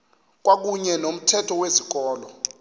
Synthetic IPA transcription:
k̬wak̬uɲɛnom̩tʰɛtʰɔwezik̬ɔːlɔ

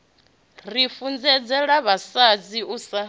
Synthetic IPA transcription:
rifund͡zɛd͡zɛɺaβasad͡ziusa

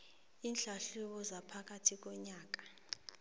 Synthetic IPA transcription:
inɬaɬuɓɔzapʰak̬ʼatʰik̬ɔɲaːk̬ḁ

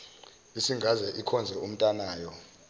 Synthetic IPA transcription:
isiŋɡʱazɛʔikʰɔnd͡zʱɛum̩tʼanaːjɔ

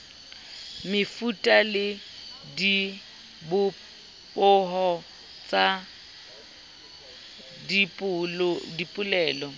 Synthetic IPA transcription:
mɪfutʼalɪ | di | bʊ | pʼʊɦɔ | t͡sʼa | dipʼʊdipʼʊlɛːlɔ

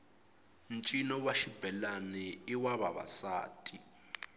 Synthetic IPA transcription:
nt͡ʃʼinɔwaʃib̥ʱɛlanɛiwaβaβa̰sa̰ːtʰʼi

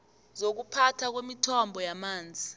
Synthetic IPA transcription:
zok̬upʰatʰak̬wemitʰɔmbʱɔjamaːnd͡zʱi

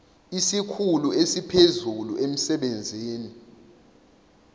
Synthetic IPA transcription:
isikʰuluesipʰezuluʔem̩sɛɓend͡zʱeːni

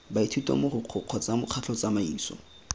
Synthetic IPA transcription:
baitʰutʼwa̰mʊrʊq͡χʰʊq͡χʰɔt͡samʊq͡χʰat͡ɬʰɔt͡samaiːsɔ̰

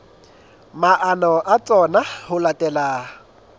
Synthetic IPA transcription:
maʔanɔʔat͡sʼɔnahʊlatʼɛlaː

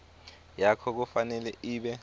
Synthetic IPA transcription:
jakʰɔk̬ufanɛlɛʔiːɓɛ

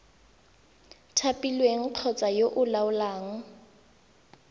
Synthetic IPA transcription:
tʰapilweŋ̩ǃʰɔt͡sʼajoʔʊlaʊlaːŋ̩

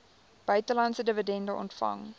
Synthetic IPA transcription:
b̥œɥtəlɐntsədəvədɛndəʔɔ̰ntfɐ̰ŋ

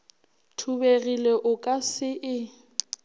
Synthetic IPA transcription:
tʰuberileʔʊkʼasɪʔɪ

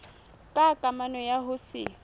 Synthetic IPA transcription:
kʼakʼamanɔjaɦʊsɪ̰

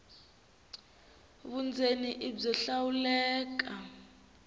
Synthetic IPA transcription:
βund͡zʱeniʔib͡ʐɔɬawulɛːk̬a

